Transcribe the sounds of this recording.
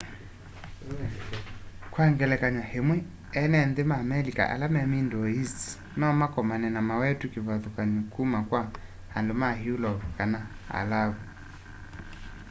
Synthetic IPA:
kwaŋɡɛlɛkaɲwahemwɛ | ɛnɛnðemamɛlika̰ʔa̰lamɛmindɔisi̥ | nɔmakɔmanɛnamawɛtukiβaðukaɲukumakwa | handomahiulɔkana | a̰laβu

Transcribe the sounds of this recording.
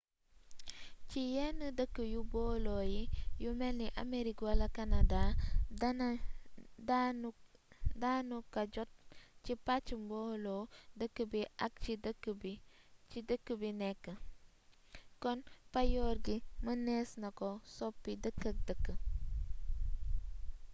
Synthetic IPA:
cijɛnːədəkːəjubɔːlɔjijumɛlniʔɐ̰meɾikwɐlɐkanɐda | danukɐɟɔt̚cipat͡ʃːumbɔlɔdəkːəbiɐk̚t͡ʃidəkːəbit͡ʃidəkːəbinɛkːə | kɔnpɐjɔːrɡimənɛːsnɐkɔsɔpːidəkːɐk̚dəkːə

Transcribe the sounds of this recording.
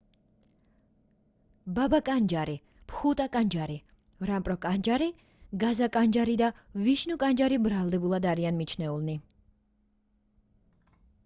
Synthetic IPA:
babakʼand͡ʒaɾi | pʰχut̪ʼakʼand͡ʒaɾi | vɾampʼɾɔkʼand͡ʒaɾi | ɡazakʼand͡ʒaɾid̪aviʃnukʼand͡ʒaɾibɾalˠd̪ɛbulˠad̪aɾianmit͡ʃʰnɛulˠni

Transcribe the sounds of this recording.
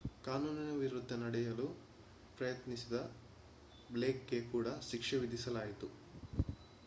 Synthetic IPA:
kaːnuːninɐʋiɾud̪ʱːɐnɐɽɛjɐlu | pɾɐjɐt̪nisid̪ɐ | bleːkːe̞kuːɽɐʃikʂɐʋid̪ʱisɐlaːjit̪u

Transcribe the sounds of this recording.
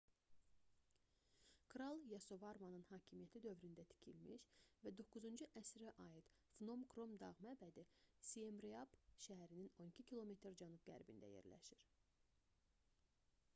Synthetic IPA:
kɾɑlˠjɑso̞vɑɾmɑnɯnhɑːcʰimijæt̪ʰid̪ø̞vɾynd̪æt̪ʰi̥cʰḭlmiʃvæd̪o̞kːuzund͡ʒuʔæsɾæʔɑjid̪̥ | fno̞mɡɾo̞md̪ɑʁmæbæd̪isiemɾiɑbʃæɦæɾinino̞nicʰicʰilˠo̞me̞t̪ʰɾd͡ʒænub̚ɡæ̰ɾbind̪æ̰jḛɾlæ̰ʃiɾ̥

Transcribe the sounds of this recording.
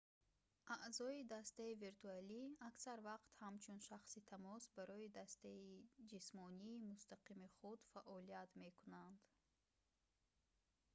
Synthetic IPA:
ʔaʔzɔid̪ast̪aiviɾt̪ʰualiaksaɾvaqt̪hamt͡ʃʰunʃaχsit̪ʰamɔsbaɾɔid̪ast̪aid͡ʒismɔniːmust̪aqimiχud̪faʔɔliat̪me̞kunand̪̥

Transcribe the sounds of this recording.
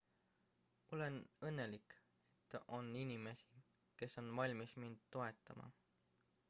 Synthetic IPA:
o̞lenɤnːe̞lik | e̞t̪ːˑʔo̞ninime̞si̥ | ke̞sːo̞nvɑlʲmismind̪̥̚t̪o̞e̞t̪ːˑɑmɑ̰

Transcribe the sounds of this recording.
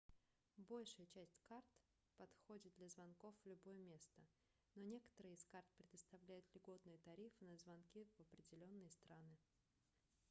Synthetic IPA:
bo̞lʲʂɨjət͡ɕæsʲtʲkart̪ | pɐt̪xodʲɪt̪̚d̪lʲɐzvɐnko̞fvlʲʊbojəmʲe̞st̪ə | nonʲe̞kə̥t̪əɾɨjɪskart̪̚pɾʲɪd̪əst̪ɐvlʲæjʊt̪lʲɪɡo̞t̪nɨjət̪ɐɾʲifɨnəzvɐnkʲivɐpɾʲɪdʲɪlʲo̞nːɨjəst̪ɾanɨ

